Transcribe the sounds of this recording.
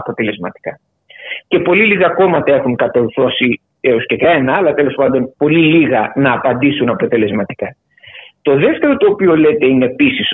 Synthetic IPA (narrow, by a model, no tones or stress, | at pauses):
ɐpo̞t̪e̞le̞zmɐt̪i̥kɐ | ce̞po̞liliɣɐko̞mɐt̪ɐe̞xuŋkɐt̪ouθo̞si | eoscekɾɐenɐɐlɐt̪e̞lo̞spɐnd̪o̞npo̞liliɣɐnɐːpɐnd̪isunɐpo̞t̪e̞le̞zmɐt̪i̥kɐ | t̪o̞ðe̞ft̪e̞ɾo̞t̪o̞ːpio̞le̞t̪e̞ine̞ːpisis